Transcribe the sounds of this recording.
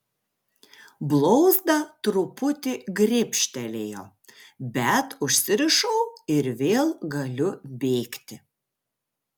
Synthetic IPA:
blˠɔʊzd̪ɐt̪ɾʊpʊt̪ʲɪɡɾʲɪpʲʃʲt̪ʲɛlʲeːjoː | bʲɛt̪ʊʃʲsʲɪɾʲɪʃɐʊɪɾʋʲeːlˠɡɐlʲʊbʲeːkt̪ʲɪ

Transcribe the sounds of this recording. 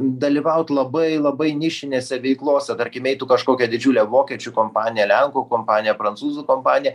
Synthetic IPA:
d̪ɐlʲɪʋɐʊt̪lˠɐbɐɪlˠɐbɐɪnʲɪʃʲɪnʲeːsʲɛʋʲɛɪklˠoːsʲɛt̪ɐɾʲkʲɪmʲɛɪt̪ukɐʃkoːkʲɛd̪ʲɪd͡ʒʲuːlʲɛʋoːkʲɛːt͡ʃʲʊkoːmpɑːnʲɪjɛlʲɛŋkuːkoːmpɑːnɪjɛpɾɐntsuːzukoːmpɑːnʲɪjɛ

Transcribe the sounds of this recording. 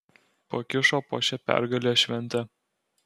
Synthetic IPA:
pokʲɪʃoːpo̰ːʃʲɛpʲæ̰ɾɡɐlʲeːʃʲʋʲɛnʲt̪ʲɛ

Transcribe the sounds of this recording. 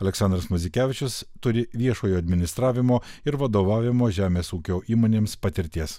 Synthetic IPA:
ɐlʲɛksɑnd̪ɾɐsmʊzʲɪkʲæːʋʲɪt͡ʃʲʊst̪ʊɾʲɪʋʲiɛʃoːjoːɐd̪ʲmʲɪnʲɪst̪ɾɑːʋʲɪmoːɪɾʋɐd̪oːʋɑːʋʲɪmoːʒʲæːmʲeːsuːkʲoːʔiːmoːnʲeːmspɐt̪ʲɪɾʲt̪ʲiɛs

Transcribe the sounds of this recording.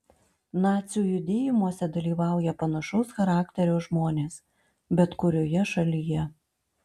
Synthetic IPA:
nɑːt̪sʲjuːjʊd̪ʲeːjɪmuɔsʲɛd̪ɐlʲiːʋɑˑʊjɛpɐnɐʃɔʊsxɐɾɑːkt̪ʲɛɾʲɛʊʒmoːnʲeːs | bʲɛt̪kʊɾʲoːjɛʃɐlʲɪjɛ

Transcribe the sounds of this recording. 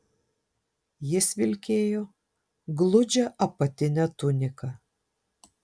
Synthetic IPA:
jɪsʋʲɪlʲkʲeːjoː | ɡlˠʊd͡ʒʲɛʔɐpɐt̪ʲɪnʲæt̪ʊnʲɪkɐ

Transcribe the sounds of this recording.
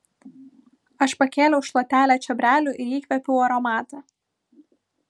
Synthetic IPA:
ɐʃpɐkʲeːlʲɛʊʃlˠɐt̪ʲæːlʲæt͡ʃʲɛbʲɾʲæːlʲuːˑʔɪlʲiːkʲʋʲɛpʲuʊɐɾɔmɑːt̪ɐ

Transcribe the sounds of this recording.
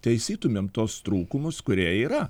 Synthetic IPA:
t̪ʲɛɪsʲiːt̪ʊmʲeːmt̪oːst̪ɾuːkʊmʊskʊɾʲiɛiːɾɐ

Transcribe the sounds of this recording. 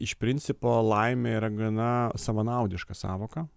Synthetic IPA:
ɪʃpʲɾʲɪnʲtsʲɪpoːlˠɐɪmʲeiːɾɐɡɐnɐsɐʋɐnɐʊd̪ʲɪʃkɐsɑ̰ːʋoːkɐ

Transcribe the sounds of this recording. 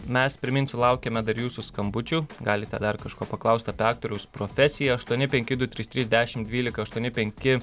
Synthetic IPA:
mʲɛspʲɾʲɪmʲɪnt̪ʲsʊlˠɐʊkʲɛmʲɛd̪ɐɾjuːsʊskɐmbʊt͡ʃʲuːɡɑːlʲɪt̪ʲɛ̰d̪ɐrkɐʃkoːpɐklˠɐʊst̪ɐpʲɪɑːk̚t̪oːɾʲɛʊspɾoːfʲɛsʲɪjɛɐʃt̪uɔnʲɪpʲɛŋʲkʲɪd̪ʊt̪ʲɾʲiːst̪ʲɾʲiːzd̪ʲæːʃʲɪmd̪ʲʋʲiːlʲɪkɐɐʃt̪uɔnʲɪpʲɛŋʲkʲɪ

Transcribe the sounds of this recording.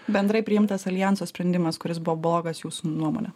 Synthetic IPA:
bʲɛnd̪ɾɐɪpʲɾʲɪɪmt̪ɐsɐlʲɪjænsoːsʲpʲɾʲɛnʲd̪ʲɪmɐskʊɾʲɪsbʊʋɔblˠoːɡɐsjuːsunuɔmo̰ːnʲɛ

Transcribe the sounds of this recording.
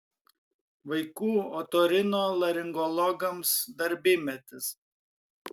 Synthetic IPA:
ʋɐɪkuːot̪oːɾʲɪnoːlˠɐɾʲɪŋɡɔlˠɔɡɐmsd̪ɐɾʲbʲɪmʲɛt̪ʲɪs

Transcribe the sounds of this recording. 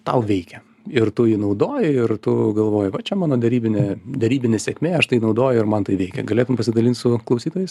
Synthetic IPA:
t̪ɐʊʋʲɛɪkʲɛ | ɪrt̪ʊjiːnɐʊd̪oːjɪɪrt̪ʊɡɐlˠʋoːjɪʋɐt͡ʃʲɛmɑːnoːd̪ʲɛɾʲiːbʲɪnʲeːd̪ʲɛɾʲiːbʲɪnʲeːsʲɛkʲmʲeːɐʃt̪ɐɪnɐʊd̪oːjʊɪrmɐnt̪ɐɪʋʲɛɪkʲɛ̰ɡɐlʲeːt̪ʊmpɐsʲɪd̪ɐlʲiːnt̪sʊklˠɐʊsʲiːt̪oːjɛɪs

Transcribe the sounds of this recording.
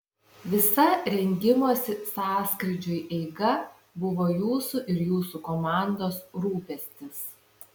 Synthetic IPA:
ʋʲɪsɐɾʲɛŋʲɡʲɪmoːsʲɪsɑːskɾʲɪd͡ʒʲʊjʔɛɪɡɐ | bʊʋoːjuːsuʔɪɾjuːsukomɑˑnd̪oːsɾuːpʲɛsʲt̪ʲɪs

